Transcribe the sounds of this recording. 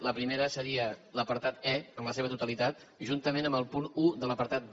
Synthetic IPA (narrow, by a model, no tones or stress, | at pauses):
ləpɾimeɾəsəɾiələpəɾt̪at̪ɛəmləseβ̞ət̪ut̪əlit̪at̪̚ | ʒunt̪əmenəmbəlˠpunuðələpəɾt̪at̪̚